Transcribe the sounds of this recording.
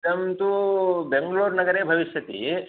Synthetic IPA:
ɐmt̪ubeŋɡluːɾnɐɡɐɾeːbʱɐʋiʃjɐt̪ḭ

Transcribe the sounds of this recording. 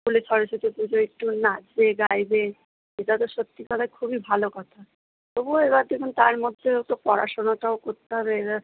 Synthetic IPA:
kulesɔɾeset̪ʰepud͡ʑoek̚ʈunad͡ʑeɡajbe | eʈat̪̬oʃət̪ːikad̪akʰubibʱalokɔt̪ʰa | bobueβad̪ekʰunt̪aɾmɔd̪ʱːeowt̪opɔɾa̰ʃonaʈaokoɾt̪ːeɦɔβe

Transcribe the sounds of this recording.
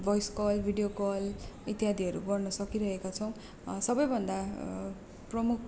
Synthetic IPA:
bʱʌjskʌlbʱiɖijokʌlit̪jɦad̪ʱiʌɾṵɡʌrnʌsʌkiɾʌɦekat͡sʰʌw̃ | sʌbʌjbʱʌnd̪a | prʌmuk̚ʰ

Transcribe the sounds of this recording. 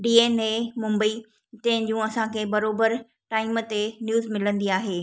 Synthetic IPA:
ɖiːeːnemʊ̃mbəi | t̪ɐ̃ɦɪ̃nd͡ʑũːɐsãkʰeːbɐɾoːbəɾ | ʈaːɪmə̆t̪enjuːzmɪlə̃nd̪iaːɦeː

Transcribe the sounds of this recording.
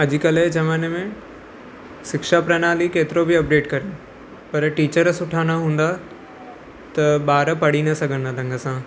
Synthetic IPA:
ɐd͡ʑʱɪkɐled͡ʒɐʋaːnemẽ | sɪkʃapɾɐːnaːlikeːt̪ɪɾobʱiɐp̚ɖeːʈkɐɾe | pɐɾʈiːt͡ɕəɾsʊʈʰaːñaɦũːn̆d̪a | t̪ɐɓaːɾpɐɽinɐsɐɡʱə̃nd̪aɾɐ̃ŋɡʱəsãː

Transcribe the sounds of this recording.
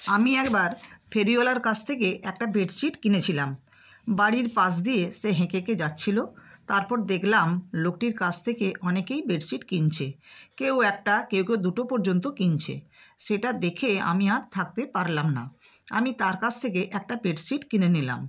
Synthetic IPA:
amiɛkbaɾpʰeɾiolaɾkat͡ɕʰt̪ʰekeʔɛk̚ʈabeɖsiʈkinet͡ɕʰilam | baɽiɾpas̬d̪ijeʃeɦẽkeked͡ʑatːɕʰilot̪aɾpɔɾd̪ekʰlamlokʈiɾkat͡ɕʰt̪ʰekeʔɔnekejbeɖsiʈkint͡ɕʰekewɛk̚ʈakewkewd̪uʈopɔɾd͡ʑont̪okint͡ɕʰḛʃeʈad̪ekʰea̰miaɾt̪ʰakt̪epaɾlamna̰a̰mit̪aɾkat͡ɕʰt̪ʰekeʔɛk̚ʈabeɖsiʈkinenila̰m

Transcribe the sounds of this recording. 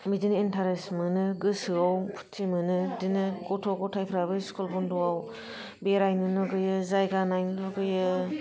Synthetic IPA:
midinintʰaɾesmɯnɯɡɯsɯawpʰu̥tʰːimɯnɯdinɯɡɔtʰɔɡɔtʰajpʰɾabɯskɔlpʰɔndɔaw | beɾajnɯnɯɡɯjɯzajɡanajnlɔɡɯjɯ

